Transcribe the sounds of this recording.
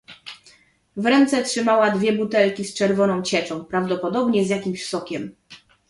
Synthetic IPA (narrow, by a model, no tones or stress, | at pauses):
vɾɛnt̪sɛtʂɘmawad̪vʲjɛbut̪ɛlkʲist͡ʂɛɾvɔnɔ̃w̃t͡ɕɛt͡ʂɔ̃w̃pɾavd̪ɔpɔd̪ɔbɲɛzʲjakʲimɕfsɔkʲɛm